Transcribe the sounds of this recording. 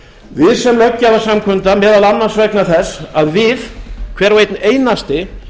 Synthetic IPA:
vɪðsɛmlœcːavḁsamkʰʏnt̪amɛːðalanːansvɛknaθɛsːaðvɪðkʰvɛːɾvejt̪neːjnast̪ɪ

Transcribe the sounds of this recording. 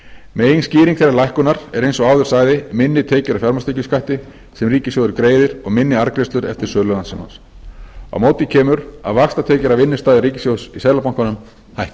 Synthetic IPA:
mejnsciːɾiŋkθejɾːaɾlajhkʏnaɾ̥ɛɾejnsɔaːwðʏ̥saːjðɪmɪnːɪt̪ʰɛːcʏɾafjaɾmast̪ecʏskʰajht̪ɪ | sɛmriːcɪsjowðʏɾkɾeːjðɪɾɔɣmɪnːɪaɾkɾest̪lʏɾɛ̰ft̪ɪɾ̥sœːlʏlansɪma̰ns | a̰wmoːwt̪ɪcʰɛːmʏɾa̰ðvakst̪at̪ʰɛːcʏɾavɪnːɪ̥st̪aːðɪɾiːcɪ̥sjowsisɛːlapawŋ̥kanʏm | hajht̪ɪ̥

